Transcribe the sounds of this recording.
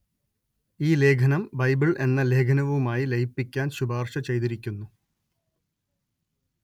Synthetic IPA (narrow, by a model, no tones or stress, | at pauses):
iːle̞ːɡʰʱɐnɐmbɐjbiɭʔe̞nːɐle̞ːɡʰʱɐnɐʋumaːjilejipːikʲːaːnɕubʱaːrʂɐt͡ɕe̞jt̪iɾikʲːunːu